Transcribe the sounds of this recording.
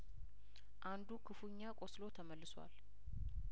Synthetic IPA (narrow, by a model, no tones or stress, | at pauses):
ʔand̪ukʰɨfuɲːakʼoslo̞t̪ʰəməlːɨswa̰l